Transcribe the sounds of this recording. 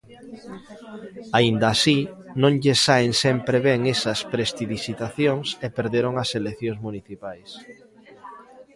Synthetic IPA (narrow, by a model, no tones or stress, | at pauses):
aind̪ɐːsinõŋʎesaeŋsɛmpɾeβɛŋesɐspɾest̪iðisit̪aθjoŋsepeɾðeɾoŋɐseleθjõŋzmuniθipajs